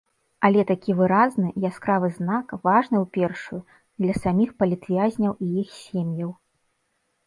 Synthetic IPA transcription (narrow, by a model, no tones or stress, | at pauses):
ɐlʲɛt̪akʲivɨɾaznɨjaskɾavɨzn̪akvaʐnɨwpʲɛrʂuju | d̪lʲɐsamʲixpɐlʲit̪vʲazʲnʲɐwijixsʲemʲjɐw